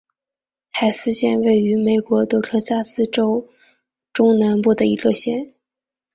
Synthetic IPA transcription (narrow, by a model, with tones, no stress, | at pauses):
tʰa˨˩ɪsɹ̩˥ɕjɛ˥˧nwe˥˩ɪy˧˥me˨˩ɪkwɔ˧˥t̪ɤ˥˩ʈ͡ʂʰɤ˥t͡ɕja˥sɹ̩˥˧ʈ͡ʂo˥ʊ | ʈ͡ʂʊ˥ŋna˧˥npu˥˩d̪ə˩i˧˥lɤ˥˧ɕjɛ˥˩n